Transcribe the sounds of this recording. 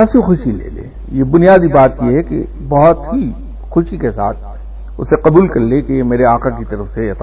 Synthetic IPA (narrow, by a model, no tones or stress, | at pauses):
ɛːsixʊʃilḛːlḛː | jebʊnijaːd̪ibaːt̪jeɦɛkḛ | bɐɦɔt̪ɦi | xʊʃikesa̰ːt̪̚ʰ | ʊ̰seqɐbuːlkɐɾlekejemeːɾeaːqakit̪ɐɾəfseɐt̪